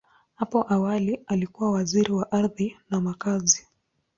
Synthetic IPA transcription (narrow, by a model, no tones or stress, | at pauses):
hapɔʔawalialikuwawaziɾiwaʔaɾðinamakazi